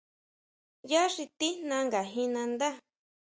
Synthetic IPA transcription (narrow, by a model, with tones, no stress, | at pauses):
ja˦ʂi˧t̪i˦nã˧˦ŋɡa˨ɦĩ˧nã˧nd̪a˦˨